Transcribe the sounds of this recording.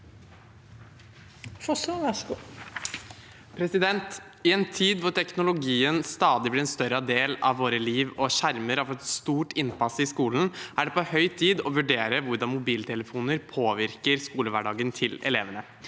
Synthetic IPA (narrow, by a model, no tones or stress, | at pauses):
fɔsɔʋɑʂu | pʰɾɛsɪd̪ɛnt̪ | ɪɛnt̪ʰiːd̪ʋʊʈʰɛknʊlʊɡiːənst̪ɑːd̪ɪblɪɾɛnst̪œɾəɑd̪eːlɑ̰ʋːoːɾəliːʋɔʃæɾməɾɑʋɛt̪st̪uːʈɪnpɑsɪskuːlnʔæɖɛpɔhœʏt̪ʰiːd̪ɔʋʉɖeːɾəʋʊɾɖɑnmʊbiːlt̪ʰɛləfuːnəɾpʰoːʋɪɾkəɾskuːləʋæɖɑːɡənt̪ʰɪlɛ̰leːʋənə